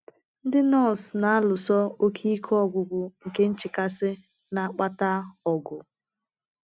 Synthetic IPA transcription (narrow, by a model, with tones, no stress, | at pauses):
n̩˦dɪ˦nɔ˦˨sna˨a˦lʊ˨sɔ˦o˦kʰi˦kʰɔ˦˨ɡʷʊ˨ɡʷʊ˨ŋ̩˨ke˦n̩˦t͡ʃɪ˨ka˦sɪ˦ | na˨a˦k͡pa˦ta˦ɔ˨ɡʊ˨